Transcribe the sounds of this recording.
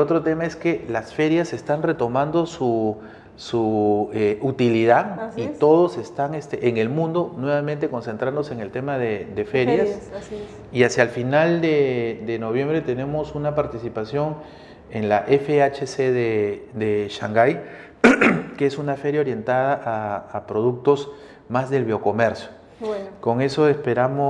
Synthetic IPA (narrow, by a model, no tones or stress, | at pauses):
o̞t̪ɾo̞t̪e̞mae̞skelasfe̞ɾjase̞st̪anre̞t̪o̞mãnd̪o̞su | sueʔut̪iliðaitt̪o̞ð̞o̞se̞st̪aŋest̪eʔeŋe̞lmũnd̪onwe̞βament̪e̞ko̞nsent̪ɾand̪oseŋe̞lt̪e̞maðed̪e̞fe̞ɾjas | iasjalfinald̪e̞d̪e̞no̞β̞je̞mbɾe̞t̪e̞ne̞mo̞sunapaɾt̪isipasjo̞ŋ | e̞nlaʔe̞feat͡ʃeseðed̪eʃaŋɡaj | keesunafe̞ɾjao̞ɾje̞nt̪að̞aʔaːpɾo̞ðuk̚t̪o̞s | mazðe̞lβjo̞ko̞me̞ɾsjo | ko̞ŋe̞so̞espe̞ɾamo